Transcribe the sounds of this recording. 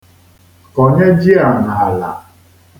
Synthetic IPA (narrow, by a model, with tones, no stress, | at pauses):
ko˨ɲe˦d͡ʒi˦a˨na˨a˨la̰˨